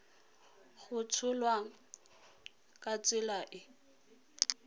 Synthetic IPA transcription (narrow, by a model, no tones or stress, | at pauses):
ɣʊt͡sʰʊlwa | kʼat͡sʼɪlaʔɪ